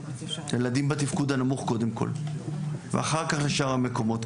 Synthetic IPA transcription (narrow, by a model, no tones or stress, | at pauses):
jelad̪imbat̪ifkud̪anamuχko̞d̪emko̞̰l | veaχaʁkaχleʃaʁhame̞ko̞mo̞t̪